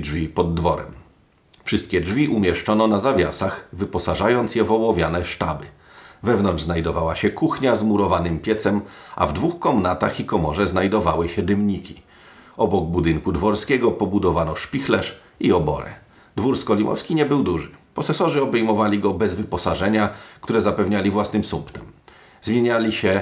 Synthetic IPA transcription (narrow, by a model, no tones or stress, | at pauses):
d͡ʐvʲipɔd̪ːvɔɾɛ̰m | fʂɘst̪̚kʲɛd͡ʐvʲiʔumʲjɛʂt͡ʂɔnɔnazavʲja̰saxvɘpɔsaʐajɔnt̪sjɛvɔwɔvʲjanɛʂta̰bɘ | vɛvnɔnʐznajd̪ɔvawaɕɛkuxɲazmuɾɔvanɘmpʲjɛt̪sɛmʔa̰vd̪vuxkɔmnat̪axikɔmɔʐɛznajd̪ɔvawɘɕɛd̪ɘmɲikʲi̥ | ɔbɔɡ̚bud̪ɘŋkud̪vɔɾskʲɛɡɔpɔbud̪ɔvanɔʂpʲixlɛʂ | iɔbɔ̰ɾɛ̰ | d̪vuɾskɔlʲimʔɔ̰fskʲiɲɛbɘwd̪uʐɘpɔsɛsɔʐɘɔbɛjmɔvalʲiɡɔbɛzvɘpɔsaʐɛɲak̚t̪uɾɛzapɛvɲalʲivwasnɘmsumpt̪ɛm | zmʲjeɲalʲiɕɛ